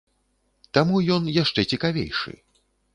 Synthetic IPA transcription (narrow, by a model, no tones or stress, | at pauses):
t̪amujɔnjaʂt͡ʂɛt͡sʲikavʲḛjʂɨ̰